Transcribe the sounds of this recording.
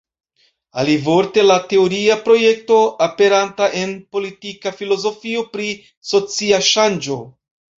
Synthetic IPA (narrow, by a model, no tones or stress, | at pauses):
a̰livo̞ɾte̞late̞oɾiapɾo̞je̞k̚to̞ape̞ɾantaʔe̞npo̞litikafilo̞zo̞fio̞pɾi | so̞t͡siaʃand͡ʒo̞